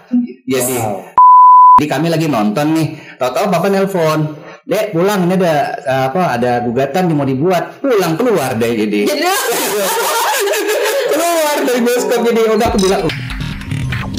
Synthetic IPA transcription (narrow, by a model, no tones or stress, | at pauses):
d͡ʒadi | d͡ʒadikamilaɡinɔnt̪ɔnːɪht̪at̪apapanɛlfɔndɛpulaŋniadaːpaːdaɡuɡat̪andimadibuat̪̚pulaŋkəluardɛd͡ʒadid͡ʒaɾiɡɛskɔ | kəluardaɾibɔskɔp̚d͡ʒadiodakubilaŋ